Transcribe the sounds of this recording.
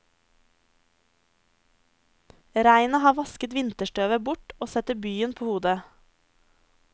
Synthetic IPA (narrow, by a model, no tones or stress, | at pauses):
ɾæɪnɑhɑːʋɑskət̪ʋɪnt̪əʃʈøːʋəbʊʈoːsɛt̪əbyːənpʰoːhuːd̪ə